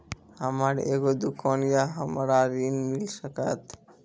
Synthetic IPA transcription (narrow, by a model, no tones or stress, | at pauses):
amaɾeɡod̪ukʰɔnjaɦamaɾaɾinmilsəkat̪